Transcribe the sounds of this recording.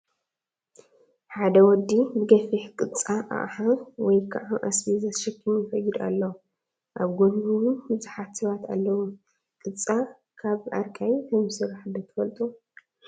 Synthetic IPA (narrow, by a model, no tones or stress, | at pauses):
ħad̪ɐwɔd̪ːibɨɡɐfiħkʼɨt͡sʼaʔa̰ʔħawɔjkʰaʕaʔasbizɐʃɐkʰːɨmɪfɐjːid̪a̰lːɐw | ʔaβɡonɡuwubɨzuħat̪sɐβat̪ʰa̰lːɐwu | kʼɨt͡sʼa | kʰaβʔa̰ɾkʼajt̪ʰɐmɨsɨɾħad̪ɐt̪ʰɨ̥fɐlt̪ʼu